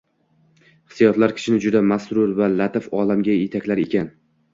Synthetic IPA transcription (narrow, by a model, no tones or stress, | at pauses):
hɨ̥sijɒt̪laɾkʲʰɪ̥ʃɪnɪd͡ʒʊd̪amasɾʊɾvalat̪ɪfɒlamɡʲajet̪ʰakʲlaɾe̞kʲan